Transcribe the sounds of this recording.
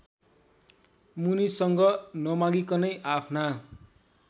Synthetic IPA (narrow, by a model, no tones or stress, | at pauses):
munisʌŋɡʌnʌmaɡikʌnʌjʔapʰna